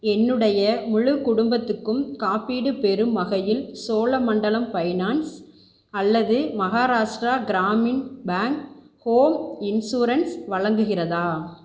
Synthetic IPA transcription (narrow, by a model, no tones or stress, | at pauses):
ɛnːɯɽɐjɐmʊɻɯkʊɽʊmbɐt̪ːɯkːɯmkaːpiːɽɯpɛɾɯmːɐɣɐjɪlsoːlɐmɐɳɖɐlɐmpɐɪnaːns | ɐlːɐðɯmɐɣaːɾaːʂʈɾaːɡɪɾaːmɪnbaːŋk | hoːmɪnsuːɾɐnsʋɐɻɐŋɡɯɣɪrɐðaː